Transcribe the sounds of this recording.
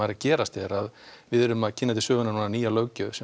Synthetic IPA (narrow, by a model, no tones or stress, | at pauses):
ajɾacɛːɾast̪ɛɾaðvɪðɛɾʏmaðcʰɪnːat̪̬ɪsœːɣʏnanuːnaniːjalœːɥcʏsɛ